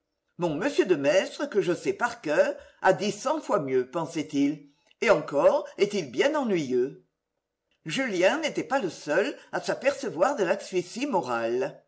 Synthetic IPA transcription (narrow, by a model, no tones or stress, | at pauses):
mɔ̃məsjød̪əmɛst̪χəkəʒəsɛpaʁkœʁ | a̰d̪isɑ̃fwamjøpɑ̃sɛt̪il | eɑ̃ŋkɔʁet̪ilbjɛ̃nɑ̃nɥijø | ʒyljɛ̃net̪ɛpaləsœlasapɛʁsəvwaʁd̪əlaksɥisimɔʁal